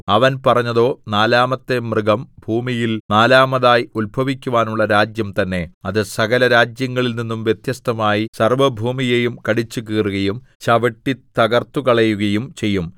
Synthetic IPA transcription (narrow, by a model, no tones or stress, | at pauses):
ɐʋɐnpɐrɐɲːɐðo̞ːnaːlaːmɐt̪ːe̞mrɨɡɐmbʱuːmijilnaːlaːmɐðaːjulbʱɐʋikʲːuʋaːnuɭːɐɾaːd͡ʑjɐmt̪ɐnːe̞ɐðɨsɐɡɐlɐɾaːd͡ʑjɐŋːɐɭilninːumʋje̞t̪jɐst̪ʰɐmaːjisɐrʋɐbʱuːmijejumkɐɽit͡ɕːukiːruɣɐjum | t͡ɕɐʋɐʈːit̪ɐɣɐrt̪ːukɐɭɐjuɣɐjumt͡ɕe̞jːum